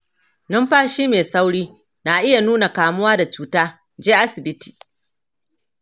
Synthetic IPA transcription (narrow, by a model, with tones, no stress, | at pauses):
nʊ˦mɸaː˦ʃiː˦meː˨sa˦wɽiː˦ | naː˨ʔɪ˦ja˨nuː˦na˨kaː˨mʊ˦waː˦da˨t͡ʃuː˦taː˦ | d͡ʒeː˦ʔa˦sɪ˨bɪ˦ti̥ː˨